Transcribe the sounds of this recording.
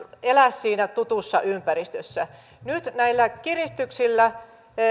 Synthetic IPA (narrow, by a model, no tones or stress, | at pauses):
elæssiːnæt̪ut̪usːɑʔympærist̪øsːæ | nyt̪næilːækirist̪yksilːæ